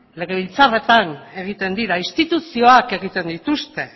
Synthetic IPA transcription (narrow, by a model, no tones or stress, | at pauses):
le̞ɣeβ̞ilt͡sare̞t̪ane̞ɣ̞it̪e̞nd̪iɾaist̪it̪usio̞ake̞ɣit̪e̞nd̪it̪ust̪e̞